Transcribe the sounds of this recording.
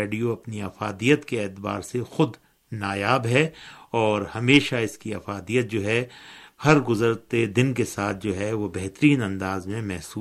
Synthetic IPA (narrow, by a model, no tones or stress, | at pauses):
eːɖijoɐpniɐfaːd̪ijət̪keɛːt̪ba̰ːɾsexʊd̪ | naːjaːbɦɛɔːɾhɐmeːʃaɪskiɐfaːd̪ijət̪̚d͡ʒoːɦɛhɐɾɡʊzəɾt̪ed̪ɪnkesaːt̪̚ʰd͡ʒoːɦɛʋobɛɦt̪ɾiːnɐ̃nd̪aːzmẽmɛɦsuː